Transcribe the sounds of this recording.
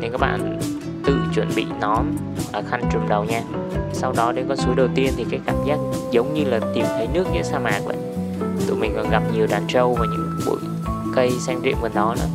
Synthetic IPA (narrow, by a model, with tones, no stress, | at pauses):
ɨ˨ŋkaː˦˥k̚ɓa̰ː˧˨n | t̪ɨ̰˧˨t͡ɕwə̰˧˩nɓḭ˧˨nɔ˨˦m | ʔəː˨˩xa˧jŋ̟t͡ɕʊ˨˩mɗə˨˩wɲaː˧ | sa˧wɗɔ˨˦ɗe˨˧˦kɔ˨˦su˨˦ɗə˨˩wt̪i˧ənt̪ʰi˨˩kaː˨˦jkaː˧˩mzaː˦˥k̚zə˨˦wŋ͡mɲɨ˧laː˨˩t̪i˨˩mt̪ʰə˨˦jnɨ˦˥ək̚ɲɨ̰˧˥saː˧maː˨˩k̚ɓa̰ː˧˨ | t̪ṵ˧˨jmï˨˩ŋ̟ʔɔ̰˨˩ɣa˨˩p̚ɲi˨˩əwɗaː˨˩nt͡ɕə˧wvaː˨˩ɲɨ̰˧˥ŋɓṵ˧˨j | kə˧jsɛ˧ŋzḭ˧˨əmvə˨˩nɗɔ˨˦nɨ̰˧˥ə